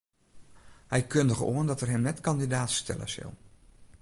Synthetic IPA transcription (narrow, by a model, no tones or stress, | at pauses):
ɦɛjkɵndəχəo̰ːəndɑtɛrɦɛmnɛtkɑndidaːtstɛ̰lə̰nz̥ɪ̰lˠ